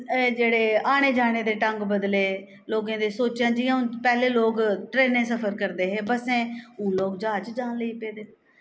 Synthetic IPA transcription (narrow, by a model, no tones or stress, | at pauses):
d͡ʒeːɽeːaːɽ̃eːd͡ʒaːɽ̃eːd̪eːʈəŋɡbəd̪leː | loːɡãːd̪eːsoːt͡ʃãːd͡ʒiːãːʊ̃pɛːleːloːɡʈɾeːnẽːsəpʰəɾkəɾd̪eːɦeːbəsẽːũːloːɡd͡ʒaːt͡ʃd͡ʒaːnləiːpeːd̪eː